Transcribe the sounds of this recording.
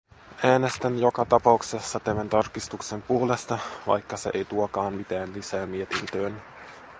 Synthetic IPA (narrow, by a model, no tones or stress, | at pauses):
ʔæːne̞st̪ænjo̞kɑt̪ɑpɑukse̞sːɑt̪æmænt̪ɑrkist̪ukse̞mpuolest̪ɑʋɑ̰jkːɑse̞ʔejt̪uokɑːmmit̪æːnlisæːmmie̞t̪int̪øːn